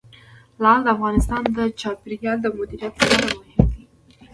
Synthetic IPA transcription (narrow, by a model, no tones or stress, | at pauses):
lɑld̪əafɣɑnɪst̪ɑnd̪ət͡ʃɑpiɾjjɑld̪əmʊd̪iɾijat̪səɾaɾamʊhɪmd̪i